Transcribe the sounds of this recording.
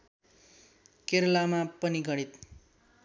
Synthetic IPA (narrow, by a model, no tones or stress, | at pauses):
keɾlamapʌniɡʌɽ̃it̪